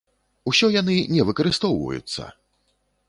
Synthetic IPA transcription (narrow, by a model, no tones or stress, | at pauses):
usʲɔjanɨnʲɛvɨkɐɾɨst̪ɔwvɐ̰jṵt̪sːɐ̰